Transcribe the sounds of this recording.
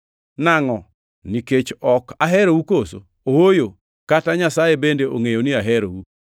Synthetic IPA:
naŋɔ | niket͡ʃɔkaɦɛɾowukoso̰ | owojo | kataɲasajebendeoŋejoniaɦɛɾowu

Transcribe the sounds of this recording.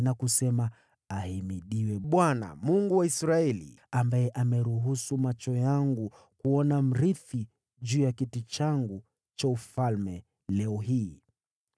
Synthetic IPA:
nakusɛma | ahimiɗiwɛɓwana̰muŋɡuwaisɾaɛlḭambajɛʔamɛɾuɦusumat͡ʃɔjaŋɡu | kuɔnam̩ɾiθi | ʄuːjakitit͡ʃaŋɡu | t͡ʃaufalmɛ | lɛɔɦiː

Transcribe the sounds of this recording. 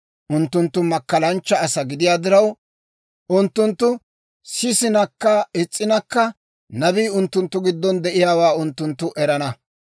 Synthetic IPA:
ʔʊnt̪ːʊnt̪ːʊmɐkːɐlɐnt͡ʃːɐːsɐɡɪd̪ɪjaːd̪ɪɾɐw | ʔʊnt̪ːʊnt̪ːʊ | sɪsɪnɐkːɐɪt͡sʼːɪnɐkːɐ | nɐbiːʊnt̪ːʊnt̪ːʊɡɪd̪ːɔnd̪ɛʔɪjaːwaːʊnt̪ːʊnt̪ːʊʔɛɾɐnɐ

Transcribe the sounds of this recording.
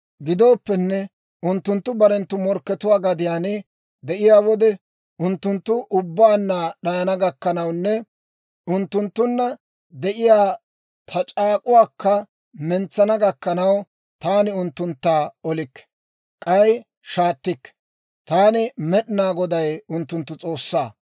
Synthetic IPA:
ɡɪd̪o̞ːpːɛnːɛ | ʊnt̪ːʊnt̪ːʊbɐɾɛnt̪ːʊmɔɾkːɛt̪ʊwaːɡɐd̪ɪjaːnɪ | d̪ɛʔɪjaːwɔd̪ɛ | ʊnt̪ːʊnt̪ːʊʔʊbːaːnːaːɗɐjɐnɐɡɐkːɐnɐwnːɛ | ʊnt̪ːʊnt̪ːʊnːɐ | d̪ɛʔɪjaː | t̪ʰɐt͡ʃʼaːkʼʊwaːkːɐ | mɛnt͡sːɐnɐɡɐkːɐnɐw | t̪aːnɪʊnt̪ːʊnt̪ːaːɔlɪkː | kʼɐj | ʃaːt̪ːɪkː | t̪aːnɪmɛɗɪnaːɡɔd̪ɐjʊnt̪ːʊnt̪ːʊt͡sʼo̞ːsːaː

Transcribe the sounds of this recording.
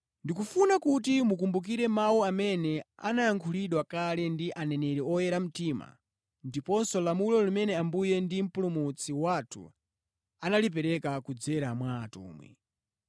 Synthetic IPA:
ndikufunakut̬imukumbuk̬iɾɛmawuamɛnɛa̰najaŋkʰuliɗwakalɛndiʔanɛnɛɾɛɔjɛɾam̩tima̰ | ndipɔnsɔlamulɔlumɛnɛambujɛndim̩pulumut͡sʰiwatʰṵ | analip̬ɛɾɛkakud͡zɛɾamwa̰ːtṵːmwɛ̰

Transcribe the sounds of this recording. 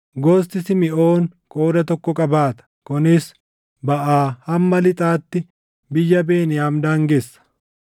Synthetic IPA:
ɡoːst̪ɪsɪmɪʔo̞ːŋkʼo̞ːd̪ɐt̪ɔkːɔkʼɐbaːt̪ɐ̥kʊnɪs | bɐʔaːhɐmːɐlɪt̪ʼaːt̪ːɪ | bɪjːɐbeːnɪjaːmd̪aːŋɡesːɐ̥

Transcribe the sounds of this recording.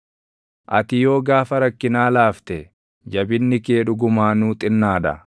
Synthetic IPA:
ʔɐt̪ɪjo̞ːɡaːfɐɾɐkːɪnaːlaːft̪ɛ | d͡ʒɐbɪnːɪke̞ːᶑʊɡʊmaːnuːt̪ʼɪnːaːᶑɐ̰

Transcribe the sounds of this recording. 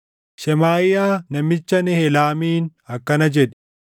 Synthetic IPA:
ʃɛmaːɪjaːnɐmɪt͡ʃːɐnɛhɛlaːmiːnɐkːɐnɐd͡ʒɛᶑɛ̥

